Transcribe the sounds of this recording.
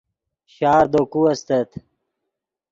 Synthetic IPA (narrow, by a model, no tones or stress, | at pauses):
ɕaːɾd̪okuɐst̪ɐt̪